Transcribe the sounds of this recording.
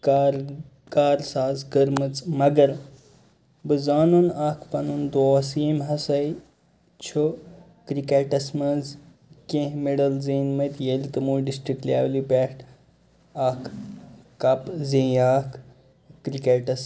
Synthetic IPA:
kːɾ | kaːɾsaːzɡəɾmɨt͡sʼmɐɡɐɾ | bɨzaːnunaːkʰpɐnund̪oːsimɦɐsɐj | t͡ʃʰo | kɾikeːʈɐsmɐz | kẽhmeɖɐlzeːnmɐt̪jelit̪ɨmuːɖisʈɾiklʲjaːwlipʲeːʈ | aːkʰ | kɐpzẽːaːkʰː | ɾikeːʈɐs

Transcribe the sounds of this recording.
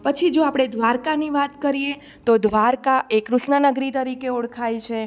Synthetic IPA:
pət͡ʃʰid͡ʒoapɽ̃ed̪ʱʋaɾkaniʋat̪kəɾije | t̪od̪ʱʋaɾkaʔekɾuʃnənəɡɾit̪əɾikeoɽkʰajt͡ʃʰe

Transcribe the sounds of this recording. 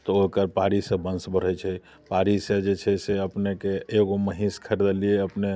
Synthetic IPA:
t̪ɔokəɾpaɾisẽbə̃nsbəɾ̤ət͡ʃʰɛ | paɾised͡ʒet͡ʃʰɛseəpnekeːɡoməɦĩskʰəɾd̪elijeəpne

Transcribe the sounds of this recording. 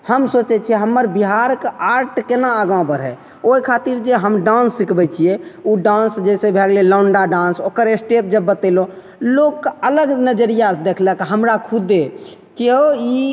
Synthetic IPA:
həmsot͡ʃɛt͡ʃʰiɦəmːəɾbiɦaɾkeaɾʈʰkenaəɡaw̃bəɾɦɛ | oɦikʰat̪iɾd͡ʒeɦəmɖãnsːikbɛt͡ʃʰijeuɖãnsd͡ʒɛsebʱɛɡleləɳɖaɖãnsokəɾesʈep̚d͡ʒəbːət̪elõ | lokːələɡnəd͡ʒəɾijasd̪ekʰləkɦəmɾakʰud̪e | keɦoi

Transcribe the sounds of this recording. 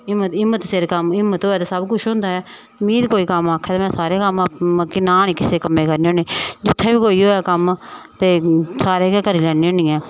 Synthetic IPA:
ɪmːət̪ɪmːət̪seɾkəmɪmːət̪ɦoːɛːt̪eːsəbkʊʃʰɦʊ̃nd̪aːɛː | mĩːd̪koːiːkəmaːkʰːɛːt̪aːmɛ̃ːsaːɾeːkəmakɪnaːniːkɪseːkəmẽːkəɾniːoːɳẽːd͡ʒʊt̪ʰːeːbiːkoːiːɦoːɛːkəmt̪eːsaːɾeːkːkəɾiːlɛːneːõːnĩːɛ̃ː

